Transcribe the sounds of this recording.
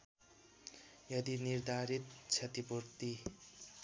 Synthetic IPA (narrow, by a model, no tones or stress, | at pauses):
jʌd̪iniɾd̪ʱaɾit̪̚t͡sʰʌt̪ipurt̪i